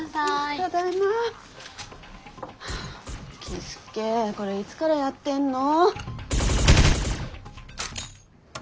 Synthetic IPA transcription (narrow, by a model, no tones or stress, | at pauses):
od̪ana | kʲʰisɨ̥keːko̞ɾe̞it͡sɨ̥kaɾajat̪ːẽ̞nːo̞